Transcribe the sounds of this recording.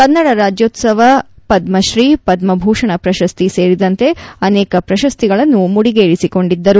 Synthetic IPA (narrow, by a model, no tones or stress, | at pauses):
kɐnːɐɽɐɾaːd͡ʒjoːt̪sɐʋɐpɐd̪mɐʃɾiːpɐd̪mɐbʱuːʂɐɳɐpɾɐʃɐst̪ise̞ːɾid̪ɐnt̪e̞ɐnɛːkɐpɾɐʃɐst̪iɡɐɭɐnːumuɽiɡeːɭisiko̞ɳɖid̪ːɐɾu